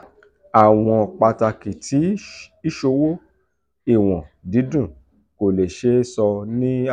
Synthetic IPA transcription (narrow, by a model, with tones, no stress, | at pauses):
a˨w̃ɔ̃˧˨k͡pa˧ta˧ki˨tʰi˨˦i˦ʃo˧wo˦ | i˦˨w̃ɔ̃˨di˨˦dũ˦˨ | ko˨le˨ʃe˨˦sɔ˧nĩ˦